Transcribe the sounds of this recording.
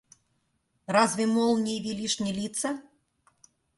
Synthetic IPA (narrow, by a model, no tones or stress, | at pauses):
razvʲɪmɔlˠnʲivʲilʲiʂnʲɪlʲit̪sɐ